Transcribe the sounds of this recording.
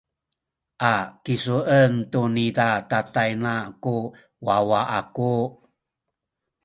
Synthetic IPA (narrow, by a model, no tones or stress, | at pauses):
ʔakisuəntunidatatajnaku | wawaʔaku